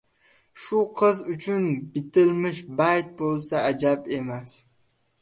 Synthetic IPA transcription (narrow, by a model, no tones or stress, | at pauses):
ʃʊqʰɨzʊt͡ʃʰʊnbɪt̪ɪlmɪʃbajt̪̚bolˠsaad͡ʒape̞mas